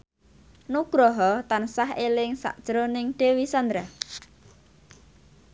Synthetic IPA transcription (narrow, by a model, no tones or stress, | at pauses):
nuɡ̥ɾɔɦɔt̪ansaɦelɪŋsa̰ʔd̥ʒ̥ɾonɪŋɖ̥e̤wisand̪ɾah